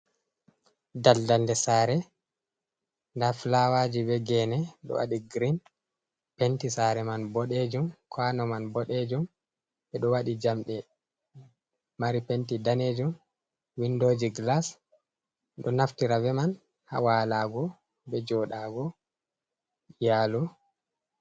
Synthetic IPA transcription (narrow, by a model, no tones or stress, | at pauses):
daldaldɛsaɾɛ | ndaflawad͡ʒibɛɡɛnɛɗɔ̰wa̰ɗiɡɾin | pɛntisaɾɛmanbɔɗed͡ʒumkʰwanɔmanbɔɗed͡ʒum | bɛɗɔwaɗid͡ʒamɗɛ | maɾipentidaned͡ʒum | windoːd͡ʒiɡlas | ɗɔnaftiɾavɛman | ha̰waːlaːɡɔ | bɛd͡ʒɔɗaːɡɔ | jalɔ